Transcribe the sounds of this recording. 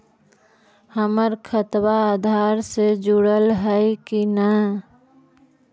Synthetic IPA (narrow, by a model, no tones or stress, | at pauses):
həməɾkʰət̪waaːd̪ʱaːɾsed͡ʒuɽəlɦəkinə